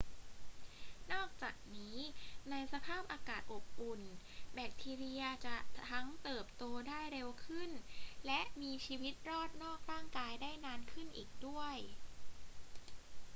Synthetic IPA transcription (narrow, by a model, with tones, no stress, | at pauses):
nɔː˥˩k̚t͡ɕaː˨˩k̚niː˦˥na˧jsa˧pʰaː˥˩p̚ʔaː˧kaː˨˩t̪̚ʔo˨˩p̚ʔu˨˩n | bɛː˨˩k̚t̪ʰiː˧ɾi˧ɐt͡ɕa˨˩ʔt̪ʰa˦˥ŋt̪ɤː˨˩p̚t̪oː˧daː˥˩jɾe˧wkʰɯ˥˩nlɛ˦˥ʔmiː˧t͡ɕʰiː˧wi˦˥t̪̚ɾɔː˥˩t̪̚nɔː˥˩k̚ɾaː˥˩ŋkaː˧jdaː˥˩jnaː˧nkʰɯ˥˩nʔiː˨˩k̚du˥˩əj